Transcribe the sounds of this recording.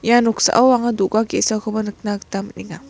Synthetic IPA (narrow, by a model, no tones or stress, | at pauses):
januksa̰ʔawwaŋaduɡakesakʰabanɯk̚nakt̪aməniŋa